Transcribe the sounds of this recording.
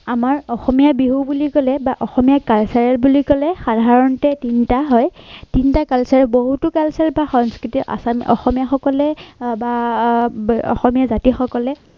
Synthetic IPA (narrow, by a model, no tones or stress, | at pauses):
amaɹɔxɔmijabiɦubulikɔlɛbaʔɔxɔmijakalsaɹɛlbulikɔlɛxadʱaɹɔntɛtintaɦɔjtintakalsaɹɛboɦutʊkalsalbaxɔŋskɹitiʔa̰samɔ̰xɔmijaxɔkɔlɛba | ɔ̰xɔmijazatixɔkɔlɛ